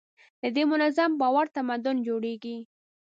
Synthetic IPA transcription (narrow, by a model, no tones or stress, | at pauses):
d̪əd̪emʊnazambɑwaɾt̪amad̪ʊnd͡ʒoɽeɡi